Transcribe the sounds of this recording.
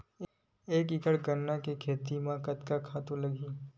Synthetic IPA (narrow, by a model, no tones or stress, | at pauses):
eːkɪkəɽɡənːakekʰeːt̪imãkɐt̪kakʰaːt̪ũlɐɡiː